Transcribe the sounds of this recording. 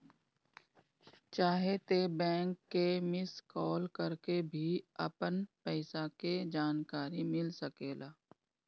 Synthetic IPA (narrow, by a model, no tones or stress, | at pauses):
t͡ʃaːɦet̪ebɛ̃ːŋkːemɪskɔːlkɐɾkebʱiɐ̰pənpɛːsaked͡ʒaːnkaːɾimɪlsɐkeːlaː